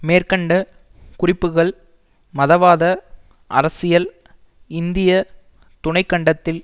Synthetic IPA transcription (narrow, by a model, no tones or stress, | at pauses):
meːrkɐɳɖɐ | kʊrɪpːɯɣɐɭ | mɐðɐʋaːðɐ | ʔɐ̰ɾɐsɪjɐl | ɪnd̪ɪjɐ | t̪ʊnɐɪkːɐɳɖɐt̪ːɪl